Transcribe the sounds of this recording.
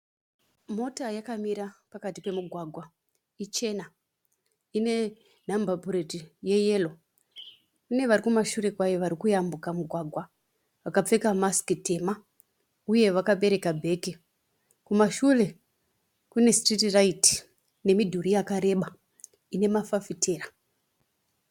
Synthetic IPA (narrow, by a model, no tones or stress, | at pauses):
mo̞tajakamiɾapakatipe̞muɡʱwaɡʱwa | it͡ʃe̞na | ine̞ | nambʱapuɾetije̞je̞lo | kune̞ʋaɾikumaʃure̞kwajeʋaɾikujambukamuɡʱwaɡʱwa | ʋakap͡fe̞kamaskite̞ma | uje̞ʋakaɓe̞ɾe̞kabʱe̞ːke | kumaʃure̞ | kune̞stritiraiti̥ | ne̞midʱuɾijakaɾe̞ɓa | ine̞mafafitʰe̞ːra